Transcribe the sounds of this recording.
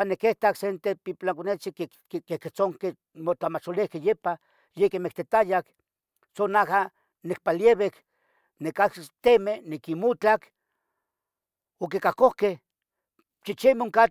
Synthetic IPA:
anekeht̪aksent̪epiplaŋkonet͡sike | keket͡soŋke | mot͡ɬamat͡ʃolihkejepa | jekemekt̪et̪ajak | sonaha | nek̚paljeβek | nekakt̪emenikimut͡ɬak | ok̬ikakohkeh | t͡ʃit͡ʃimoŋka

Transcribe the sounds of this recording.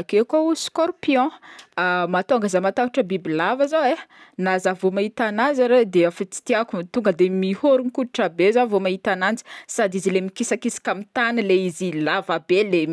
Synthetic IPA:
kekouskɔɾpiɔ̃ | mat̪oŋɡəzamat̪aɦuʈ͡ʂəbibilavazawenazavomaɦit̪anand͡zaɾed̪eafit͡si̥t̪iakumit̪uŋɡəd̪emihoɾunikud̪iʈ͡ʂabezavomait̪anand͡zi̥sad̪izilemikisakisi̥kʲamit̪anileizilavabele

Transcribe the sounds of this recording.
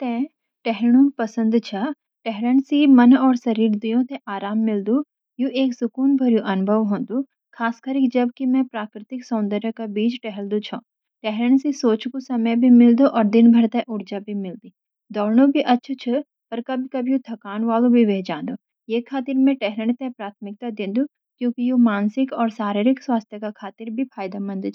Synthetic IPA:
t̪ɛ̃ | ʈɛɦɽ̃ũːpɐsə̃nd̪t͡ʃʰa | ʈɛɦɾənsimɐnɔːɾsɐɾiːɾd̪ijõːt̪eʔaːɾaːmːɪld̪u | juʔeːksʊkuːnbʱɐɾjũʔɐnbʱəʋɦõːnd̪u | kʰaːskəɾikd͡ʒɐb̚kimɛ̃pɾaːkɾɪt̪ɪksɔːnd̪əɾəkabiːd͡ʒʈɛɦɛld̪ut͡ʃʰõː | ʈɛɦɾəɳ̃sisoːt͡ʃkusɐməjbʱimɪld̪oʔɔːɾd̪ɪnbʱɐɾt̪ɛʔʊɾd͡ʒabʱimɪld̪iː | d̪ɔːɾnobʱiʔɐtːʃʰt͡ʃʰə | pɐɾkɐbʱkɐbʱjut̪ʰɐkaːnʋaːlõbʱiʋeːd͡ʒãːnd̪o | jeːkʰaːt̪ɪɾmẽʈɛɦɾəɳ̃t̪ɛpɾaːt̪ʰmɪk̚t̪ad̪ɪ̃nd̪u | kjõːkijumaːnsɪkɔːɾsaːɾɪɾɪkswaːst̪ʰjəkakʰaːt̪ɪɾbʱipʰaːjd̪amɐ̃nd̪t͡ʃʰ

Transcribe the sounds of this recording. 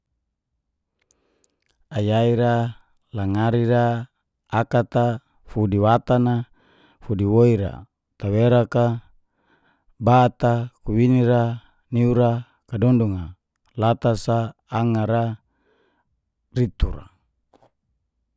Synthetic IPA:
ajaiɾa | laŋaɾiɾaː | kat̪a | fudiwat̪ana | fudiwoiɾa̰ | t̪aweɾaka | bat̪akuwiniɾa | niuɾa | kadɔnduŋa | lat̪asaːŋaɾa | rit̪uɾa̰

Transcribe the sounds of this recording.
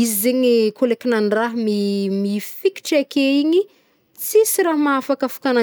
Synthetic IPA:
izizeɲikolekinanraɦmimifiki̥ʈ͡ʂakeiɲi | t͡sisiraɦmaafakafu̥kana

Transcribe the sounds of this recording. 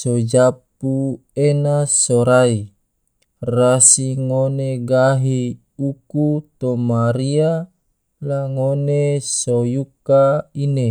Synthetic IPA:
sod͡ʒap̚u | enasoɾai | rasiŋoneɡaɦi | ukut̪omaɾia | laŋonesojukaine

